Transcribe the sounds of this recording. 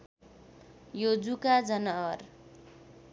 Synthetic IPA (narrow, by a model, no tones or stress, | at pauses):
jod͡zukad͡zʌnʌʌr